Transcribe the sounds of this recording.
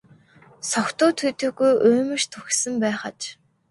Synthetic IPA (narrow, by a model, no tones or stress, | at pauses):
sɔkt̪ʊːt̪ʰuːt̪ɵ̆ːɣujʔɵːmɘ̆ʃt̪ʰuxsɘ̆mpæːχə̆t͡ɕ